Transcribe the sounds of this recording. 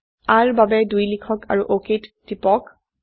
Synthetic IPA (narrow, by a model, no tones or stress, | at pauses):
aɹbabɛdujlikʰɔka̰ɹuʔokitːipɔk